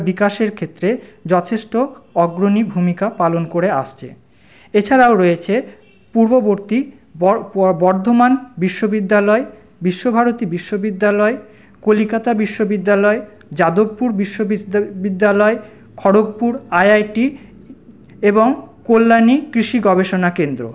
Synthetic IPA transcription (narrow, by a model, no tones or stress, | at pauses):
bikaʃeɾkʰet̪ːɾed͡ʑɔt̪ʰeʃʈoɔɡɾonibʱumikapalonkoɾea̰ʃt͡ɕʰḛ | et͡ɕʰaɾaoɾɔjet͡ɕʰe | puɾboboɾt̪i | bɔɾd̪ʱomanbiʃːobid̪ːalɔe | biʃːobʱaɾot̪ibiʃːobid̪ːalɔe | kolikat̪abiʃːobid̪ːalɔe | d͡ʑad̪obpuɾbiʃːobid̪ːalɔe | kʰɔɽoɡ̚puɾajajʈi | eboŋkolːanikɾiʃiɡɔbeʃonakend̪ɾo̰